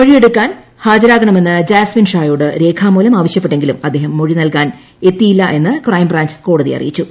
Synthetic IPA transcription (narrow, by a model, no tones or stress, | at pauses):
oɻije̞ɽukːaːn | haːd͡ʑɐɾaːɡɐɳɐme̞nːɨd͡ʑaːsminʂaːjuːɽɨɾe̞ːkʰaːmːuːlɐmaːʋɐɕjɐpːe̞ʈːe̞ŋɡilumɐd̪ːe̞ːɦɐmːoɻinɐlkaːn | e̞t̪ːijilːɐʔe̞nːɨkrɐjmbraːɲd͡ʑko̞ːɽɐðijɐ̰rḭjit͡ɕːu